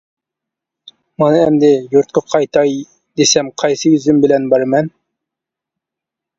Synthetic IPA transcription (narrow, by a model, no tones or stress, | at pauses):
mɑnɨɛmd̪ɪjuɾt̪̚kʰɑqʰɑjt̪ʰɑj | d̪esɛmqʰɑjsɨjyzymbɪlɛnbɑɾmɛn